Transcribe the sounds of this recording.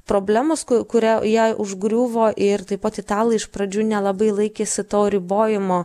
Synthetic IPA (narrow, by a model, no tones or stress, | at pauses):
pɾoːbʲlʲæːmoskʊkʊɾʲæjɛʔʊʒɡɾʲuːʋoːʔɪɾt̪ɐɪpɐt̪ʲɪt̪ɑːlˠɐɪʃpɾɐd͡ʒʲuːnʲɛlˠɐbɐɪlˠɐɪkʲeːsʲɪt̪oːɾʲɪboːjɪmoː